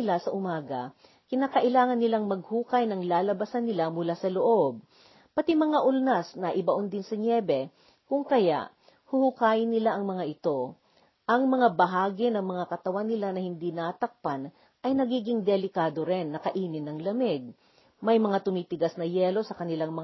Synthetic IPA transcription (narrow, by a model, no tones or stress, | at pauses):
ɪlasɐʔʊmaːɡɐ | kɪnaːkɐʔɪlaːŋɐnːɪlaŋmɐɡ̚huːkɐjnɐŋlaːlɐbɐsɐnːɪlamʊlasɐloʔo̞b̚ | pɐt̪imɐŋaʔʊlnasnɐʔɪbɐʔond̪ɪnsɐɲjɛbɛ | kʊŋkɐja̰ʔ | hʊhukaːjɪnːɪlaʔɐŋmɐŋaʔɪt̪o̞ | ʔɐŋmɐŋabɐɦaːɡɪnɐŋmɐŋakɐt̪ɐwanːɪlanɐhɪnd̪inaːt̪ɐk̚pɐn | ʔɐjnɐɡiːɡɪŋd̪ɛlɪkaːd̪oɾɛnːɐkɐʔiːnɪnːɐŋlɐmɛɡ̚ | mɐjmɐŋat̪ʊmiːt̪ɪɡasnɐjɛːlo̞sɐkɐnɪlaŋmɐ